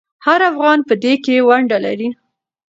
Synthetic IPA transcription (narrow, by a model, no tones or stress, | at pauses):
haɾafɣɑnpəd̪ekewaɳɖala̰ɾi